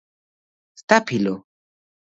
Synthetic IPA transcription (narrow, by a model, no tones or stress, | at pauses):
st̪apʰilo